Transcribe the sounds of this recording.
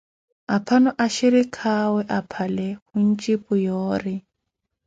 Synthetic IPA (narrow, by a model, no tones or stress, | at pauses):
apʰanɔʔaʃiɾikʰawɛʔapʰalɛhun̩t͡ʃʼipʼʊjɔːrɪ